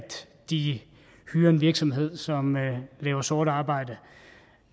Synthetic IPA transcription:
d̥ | d̥i | hyːɐe̝nʋiɐɡ̥sɒ̽mɦe̝ð̞̰ˠsɒ̽mlɛ̰ːʊɐsoːɾ̥ɑ̈ːb̥ɑ̈ɪ̰d̥ə

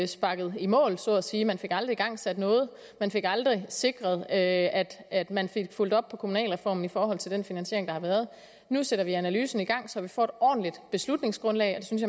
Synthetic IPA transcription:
sb̥ɑ̈ɡ̥ð̞̩ˠimɔ̰̽ːlsɔ̰ːæsiːmænfe̝ɡ̥ɑ̈ld̥ʁiɡ̥ɑ̈ŋ̰sæd̥nɔ̽ːð̞̩ˠ | mænfe̝ɡ̥ɑ̈ld̥ʁise̝ɡ̥ʁɐð̞̩ˠøæd̥æd̥mænfe̝ɡ̥ful̰d̥ɒ̽b̥̚pʰɒ̽kʰomunɛ̰ːlʁɛfɒ̰ːmn̩ifɒːɦɒ̽l̰t͡sʰe̝ld̥enfinænsɕe̝ɐe̝ŋd̥ɑ̈hɑ̈ʋæːɐð̞ˠ | nuseɾ̥ɐʋiænælyːsn̩iɡ̥ɑ̈ŋ̰sɒ̽hɑ̈ʋifɒ̰ːd̥ɒ̰ːn̩lid̥b̥e̝slud̥ne̝ŋsɡ̥ʁɔ̽nlɛ̰ɪɒd̥e̝synsjɑ̈

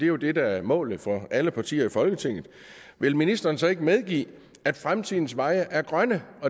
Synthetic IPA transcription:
d̥e̝jo̝d̥e̝d̥ææɐmɔ̰ːl̩fɒ̽ʔæləpʰɑ̈t͡sʰḭːɐifɒ̽lɡ̥ət͡sʰe̝ŋ̰ð̩ˠ | ʋe̝lminisd̥ɐːnsɒ̽e̝ɡ̥əmeð̞ˠɡ̥ḭː | æd̥fʁamt͡sʰiðˠn̩sʋɑ̈ɪəʔæɐɡ̥ʁɶnəɒ̽

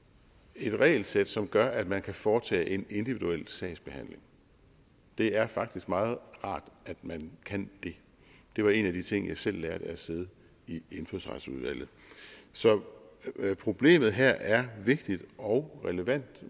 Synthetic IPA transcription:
e̝d̥ʁɛ̰ːɪl̩sed̥sɒ̽mɡ̥ɶɐʔæd̥mænkʰæfɒːt͡sʰɛ̰ːʔe̝ne̝nd̥iʋid̥uel̰sɛ̰ɪsb̥e̝hæn̰le̝ŋ | d̥e̝æɐfɑ̈ɡ̥̚d̥isɡ̥mɑ̈ːð̞̩ˠʁɑ̰̈ːd̥æd̥mænkʰænd̥e̝ | d̥e̝ʋɑ̈e̝næd̥it͡sʰe̝ŋ̰jɑ̈ɪsel̰ːæːɐd̥əæse̝ð̞ˠə | ie̝nfø̰sʁɑ̰d̥suðˠʋæl̰ð̞̩ˠsɒ̽ | pʰʁo̝b̥le̝̰ːmð̩ˠɦæɐ̰ʔæɐʋe̝ɡ̥d̥id̥ɒ̽ʊʁɛləʋæn̰d̥

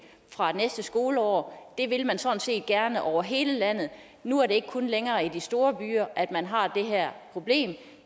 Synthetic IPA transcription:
fʁɑ̈nesd̥əsɡ̥o̝ːləɒ̰ːd̥e̝ʋe̝lmænsɒ̽n̩se̝̰ːd̥̚ɡ̥æɐnəʔɒʊɐɦe̝ːləlæn̰ð̞̩ˠ | nuæɐɾeeɡ̥ə̥kʰɔ̽nleŋɐːid̥isd̥o̝ːɐb̥y̰ːɐʔæd̥mænɦɑ̈d̥e̝ɦæɐ̰pʰʁo̝b̥le̝̰ːm

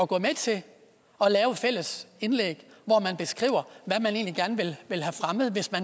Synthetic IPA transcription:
ɒɡ̥ɔ̰̽ːmet͡sʰe̝ | ɒ̽lɛːʊfel̰əse̝nlḛɡ̥ʋɒmænb̥e̝sɡ̥ʁḭːʊɐʋæmæne̝̰ːnliɡ̥æɐnʋe̝lʋe̝lɦæfʁaməð̞̩ˠʋe̝smæn

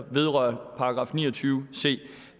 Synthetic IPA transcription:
ʋe̝ð̞ˠʁɶ̰ɐpʰɑ̈ɑɡ̥ʁɑ̰̈ːfnḭːɐt͡sʰyːʊse̝̰ː

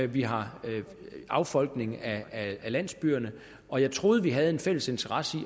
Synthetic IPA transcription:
ʋiɦɑ̈ | ɑ̈ʊfɒ̽l̰ɡ̥ne̝ŋæælæn̰sb̥yːɐnə | ɒ̽jɑ̈ɪt͡sʰʁo̝ːð̞ˠʋiɦæð̞̩ˠe̝nfel̰əse̝nt͡sʰɐʁɑ̈səi

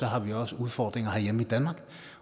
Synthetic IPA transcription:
ɔɦɑʋiɔsəuðˠfɒd̥̪ʁɪŋɐɦæjemːid̪̥ænmɑɡ̥

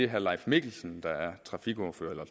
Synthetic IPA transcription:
e̝ɦæɐlɑ̈ɪfmeɡ̥l̩sn̩d̥ɑ̈æɐt͡sʰʁɑ̈fiɡ̥ɔɐfø̰ɐelɐ

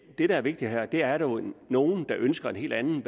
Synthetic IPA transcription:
d̥e̝ɾ̥ɑ̈æɐʋe̝ɡ̥̚d̥iɦæɐ̰d̥e̝æɐɾono̝ːn̩d̥ɑ̈ʔønsɡ̥ɐe̝nɦe̝̰ːld̥ænn̩ʋ

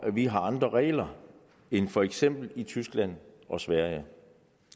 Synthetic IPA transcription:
ʔæʋiɦɑ̈ɑ̈nd̥ʁɐʁɛ̰ːlɐ | enfɒ̽eɡ̥sem̰b̥l̩it͡sʰysɡ̥læn̰ɒ̽sʋæɐ̰jə

